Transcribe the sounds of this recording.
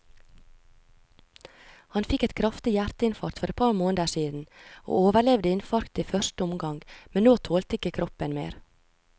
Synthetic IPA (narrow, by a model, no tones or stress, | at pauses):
hɑnfɪkɛt̪kʰɾɑft̪ɪjæɾt̪əɪnfɑɾt̪fɔɾɛt̪̚pʰɑɾmoːnəd̪əʃiːd̪n̩o̰ːoːʋəɭɛʋd̪əɪnfɑɾkt̪iːfœʃtəʊmɡɑŋɡmɛnnoːt̪ʰoːlt̪əɪkəkʰɾʔɔpənmḛːɾ